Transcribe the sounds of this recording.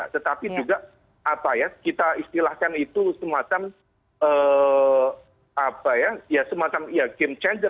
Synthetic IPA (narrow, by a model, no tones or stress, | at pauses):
a̰t̪ət̪apid͡ʒuɡaʔ | apajakit̪aist̪ilahkanit̪usəmat͡ʃam | ə | apajajasəmat͡ʃamjaɡemt͡ʃɛndə